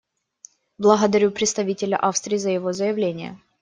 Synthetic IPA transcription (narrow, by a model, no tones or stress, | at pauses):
blˠəɣəd̪ɐɾʲupɾʲɪt̪st̪ɐvʲitʲɪlʲɐ̰ʔafst̪ɾʲɪːzəjɪvozəjɪvlʲenʲɪjə̰